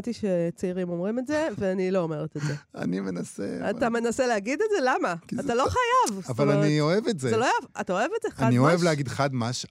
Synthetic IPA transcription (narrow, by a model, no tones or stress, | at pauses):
tiʃet͡saiʁimo̞mʁime̞tzeveaniloome̞ʁet̪ezea̰nimenasḛat̪ame̞naseleaɡidetze̞lamakiːt̪alo̞χajavavalannioevetzealovatao̞evetzeχaadniioevleaɡid̪χad̪maʃ